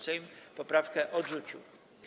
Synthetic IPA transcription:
sɛjmpɔpɾafkɛʔɔdʐut͡ɕṵ

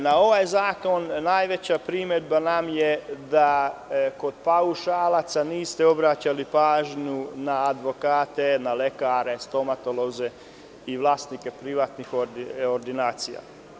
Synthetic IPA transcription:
nao̞ʋajzaːko̞nːaːjʋe̞t͡ɕapɾimed̪̚banamjed̪ako̞d̪̥pauʃaːlat̪saniːst̪eo̞bɾat͡ɕalipaːʒɲunaːd̪ʋo̞kaːt̪e̞nale̞kaːɾe̞st̪o̞mat̪o̞lo̞ze̞ | iʋlˠaːst̪nikepɾiʋaːt̪nixooɾd̪inaːt̪sija̰

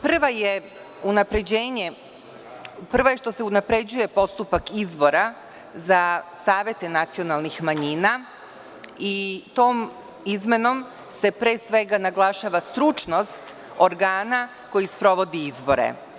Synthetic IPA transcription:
pr̩ʋaje | unapɾe̞d͡ʑe̞ːɲe̞ | pr̩ʋojeʂt̪o̞se̞unapɾe̞d͡ʑuje̞po̞st̪upakizbo̞ɾa | zasaːʋje̞t̪e̞nat̪sio̞nalˠnixmaɲina | it̪o̞ːm | izme̞no̞m | se̞pɾe̞ːsʋe̞ɡanaɡlˠaʃaʋast̪ɾut͡ʃno̞st̪ | oɾɡaːna | ko̞jispɾo̞ʋo̞d̪iizbo̞̰ɾḛ

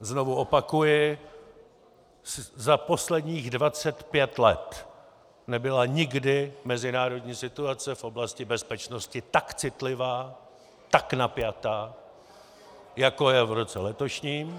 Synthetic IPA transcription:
zno̞vuʔo̞pakujɪ | szapo̞slɛdɲiːɣdvat͡sɛt̪pjɛt̪lɛ̰t̪ | nɛbɪlaɲɪɡdɪmɛzɪnaːɾo̞dɲiːsɪt̪uat͡sɛfʔo̞blascɪbɛspɛt͡ʃno̞scɪt̪akt͡sɪt̪lɪvaː | t̪aknapjat̪aː | jako̞jɛvɾo̞t͡sɛlɛt̪o̞ʃɲiːm

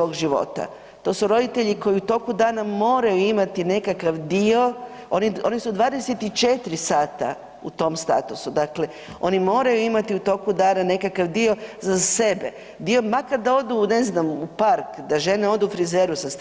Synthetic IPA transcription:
o̞ːɡʒiʋo̞̰t̪a̰ | t̪o̞ːsuɾo̞d̪it̪eʎiko̞jiut̪o̞kud̪aːnamo̞ːɾajuimat̪ine̞kakaʋd̪io̞ | o̞nio̞nisud̪ʋaːd̪e̞se̞t̪it͡ʃe̞t̪ɾisaːt̪a̰ | ut̪o̞ːmst̪a̰t̪usud̪akle̞ | o̞nimo̞ːɾajuimat̪iut̪o̞kud̪aːnane̞kakaʋd̪io̞zase̞be̞ | d̪io̞makaɾd̪ao̞d̪une̞znamupaɾkd̪aʒe̞neo̞d̪uːfɾizeɾusas

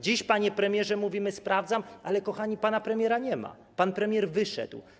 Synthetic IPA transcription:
d͡ʑiɕpaɲɛpɾɛmʲjɛʐɛmuvʲimɘspɾʔavd̪zamʔalɛkɔxaɲipanapɾɛmʲjɛɾaɲɛma̰ | panpɾɛmʲjɛɾvɘʂɛ̰d̪w

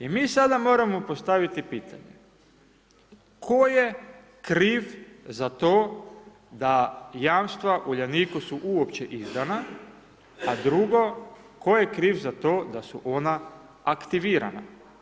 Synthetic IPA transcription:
imiːsad̪amo̞ːɾamopo̞st̪aʋit̪ipiːt̪ʰa̰ɲe | kʰoje̞ | kɾiːʋzat̪oː | d̪ajaːmst̪ʋaʔuʎaniːkusuʔuopt͡ɕeʔizd̪ana | ad̪ɾuɡo̞ | ko̞jekɾiːʋzat̪o̞ːd̪asuʔo̞naː | kt̪iʋiːɾa̰na̰

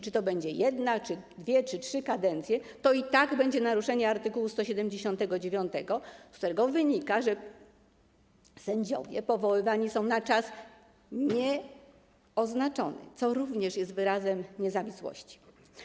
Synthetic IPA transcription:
t͡ʂɘt̪ɔbɛɲd͡ʑɛjɛd̪nat͡ʂɘd̪vʲjɛt͡ʂɘtʂɘkad̪ɛnt̪sʲjɛt̪ɔit̪aɡbɛɲd͡ʑɛnaɾuʂɛɲɛaɾt̪ɘkuwust̪ɔɕɛd̪ɛmd͡ʑeɕɔnt̪ɛɡɔd͡ʑevʲjɔnt̪ɛɡɔskt̪uɾɛɡɔvɘɲikaʐɛ | sɛɲd͡ʑɔ̰vʲjɛ̰pɔvɔwɘvaɲisɔ̃w̃nat͡ʂas | ɲɛ | ɔznat͡ʂɔ̰nɛ̰t̪sɔɾuvɲɛʂjɛst̪vɘɾazɛmɲɛzavʲiswɔ̰ɕt͡ɕi̥

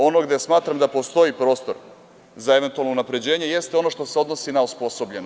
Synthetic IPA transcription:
o̞noɡd̪esmaːt̪ɾamd̪apo̞st̪o̞ipɾo̞ːst̪oɾ | zae̞ʋe̞nt̪ualnounapɾed͡ʑe̞ːɲejest̪eo̞no̞ʃt̪o̞se̞o̞d̪no̞sinaospo̞so̞bʎeno

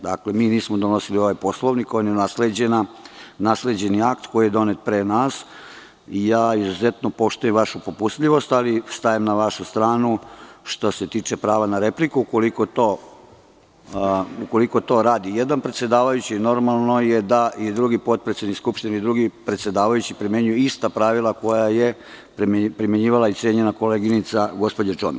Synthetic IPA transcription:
d̪aklemiːniːsmod̪ono̞silio̞ʋajpo̞slˠo̞ʋnikojomjenasled͡ʑenanasle̞d͡ʑe̞niakt̪ko̞jijed̪o̞net̪̚pɾenas | ijaːizuzet̪nopo̞ʃt̪ujemʋaʃupopust̪ʎiʋo̞st̪alist̪aemnaʋaʃust̪ɾaːnuʃt̪o̞se̞t̪iːt͡ʂe̞pɾaːʋanaɾe̞plikuuko̞likot̪oː | uko̞likot̪o̞ɾaːd̪ije̞d̪anpɾet̪sʲje̞d̪aːʋajut͡ɕino̞ɾmalˠno̞je̞d̪ajid̪ɾuɡipo̞t̪̚pɾesʲenikskupʃt̪ineid̪ɾuɡipɾet̪sje̞d̪aːʋajut͡ɕipɾimjeɲujuist̪apɾaʋilˠako̞jaje̞ | pɾpɾimje̞ɲiːʋalait̪sjeɲe̞nako̞leɡinit̪saɡo̞spo̞d͡ʑat͡ʃomi

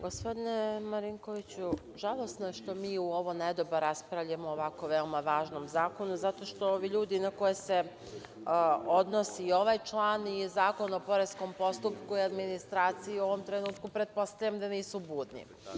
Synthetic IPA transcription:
ɡo̞spo̞d̪inemaɾiŋko̞ʋit͡ɕu | ʒalˠo̞st̪noje̞ʃt̪o̞miːuo̞ʋoned̪oboɾaspɾaʋʎamoːʋako̞ʋeomaʋaːʒno̞mzaːko̞nuzat̪o̞ʃt̪o̞oʋiʎuːd̪inako̞jese | o̞d̪no̞sio̞ʋajt͡ʃlˠaːnizaːko̞nopo̞ɾesko̞mpo̞st̪upkuiad̪minist̪ɾaːt̪sijiuo̞ʋo̞mt̪ɾe̞nuːt̪̚kupɾe̞t̪̚po̞st̪aʎamd̪aniːsubuːd̪nḭ

